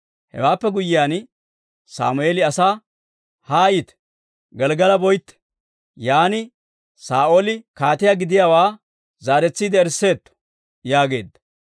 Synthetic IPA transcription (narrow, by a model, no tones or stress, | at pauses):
hɛ̰waːpːɛɡʊjɪjaːn | sa̰ːmʊeːlɪɐsaː | haːjɪt̪ɛ̥ | ɡɛlɡɐlɐbɔjt̪ːɛ̥ | jaːnɪ | saːʔoːlɪkaːt̪ɪjaɡɪd̪ɪjaːwaː | zaːɾɛt͡sːiːd̪ɛɛɾsːe̞ːt̪ːɔ̥ | jaːɡe̞̰ːd̪ːɐ̥